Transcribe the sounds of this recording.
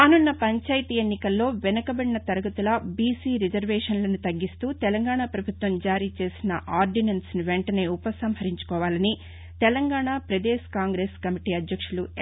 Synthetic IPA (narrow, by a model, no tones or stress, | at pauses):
aːnunːɐpɐɲt͡ʃaːjɐt̪ienːikɐlːo̞ːʋɛnɐkɐbɐɽinɐt̪ɐɾɐɡɐt̪ulɐbiːsiːɾid͡ʒɐɾʋeːʂɐnlɐnut̪ɐɡːist̪uːt̪ɛlɐŋɡaːɳapɾɐbʱut̪ʋɐmd͡ʒaːɾiːt͡ʃe̞ːsinɐ̰ʔaːɾɖinɐnsniʋɛɳʈɐne̞ːupɐsɐmɦɐɾiɲt͡ʃu̥kɔːʋaːlɐni | t̪ɛlɐŋɡaːɳaːpɾɐd̪eːskaːŋɡɾeːskɐmiʈiːɐd̪jɐkʂulu